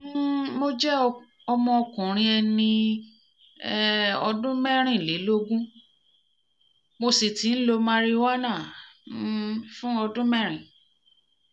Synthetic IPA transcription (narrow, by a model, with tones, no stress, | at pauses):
mo˦d͡ʒɛ˦ | ɔ˧mɔ̃˧ɔ˧kũ˨ɾ̃ĩ˧ɛ˧nĩ˧˦ | ɔ˧dũ˦mɛ˦ɾ̃ĩ˦˨le˨˦lo˦ɡũ˦ | mo˧si˨ti˨˦n̩˦lo˧mã˦ɾi˦wa˦nãː˦˨ | fũ˦ɔ˧dũ˦mɛ˦ɾ̃ĩ˨